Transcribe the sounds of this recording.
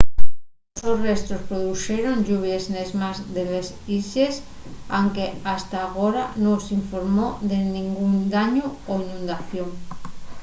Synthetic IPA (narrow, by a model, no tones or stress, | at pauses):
sosrest̪ɾospɾoðuxeɾo̞nʎuβ̞jeznezmazðeles | iʃes | a̰ŋkeast̪aːɣoɾanosiɱfoɾmoðenĩŋɡund̪aɲooinũnd̪aθjoŋ